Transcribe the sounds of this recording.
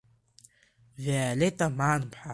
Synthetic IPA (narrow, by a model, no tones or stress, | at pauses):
vealetʼamaːnpʰħa